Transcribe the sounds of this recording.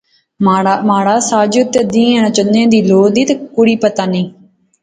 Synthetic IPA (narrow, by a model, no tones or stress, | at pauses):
maɽamaːɽaːsaːd͡ʒt̪ːed̪ĩːɛ̃nət͡ʃənẽːd̪iːloːd̪iːt̪ːkʊɽiːpət̪aːnĩː